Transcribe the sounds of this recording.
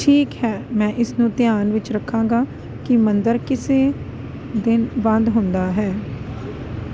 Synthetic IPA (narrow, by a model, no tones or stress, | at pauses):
ʈʰiːkɦɛːmɛ̃ːʔɪsnũːt̪ɪjaːnʋɪt͡ʃɾəkʰːãːŋɡaː | kɪmənd̪əɾkɪseː | d̪ɪnbə̃nd̪ɦʊ̃nd̪aːɦɛː